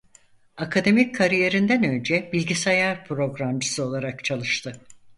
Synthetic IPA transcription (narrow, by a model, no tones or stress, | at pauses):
akʰad̪e̞mickʰaɾije̞ɾind̪ænø̞nd͡ʒɛbilʲɟisajaɾpʰɾo̞ɡɾamd͡ʒɯsɯo̞lˠaɾakt͡ʃʰalˠɯʃt̪ʰɯ